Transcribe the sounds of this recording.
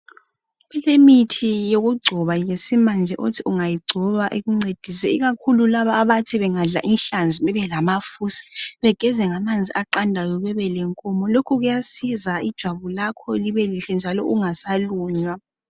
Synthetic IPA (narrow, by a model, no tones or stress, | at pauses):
ɣulemitʰijoɣuɡ͡ǀʱɔβajesimand͡ʒʱɛʔutʰiuŋajiɡ͡ǀʱɔβaʔeɣuŋ͡ǀed̥ʱisɛiɣakʰululaβaːβatʰiβɛŋaɮa̰ʔinɬand͡zʱiβɛβɛlamafusi̥βɛɡ̥ʱɛzɛŋamand͡zʱiʔaǃandʱajɔβɛβɛlɛŋkʼɔmɔlokʰuɣujasizaid̥ʒ̥ʱwaβulakʰɔliβeliɬɛnd͡ʒʱalɔʔuŋasaluːɲwa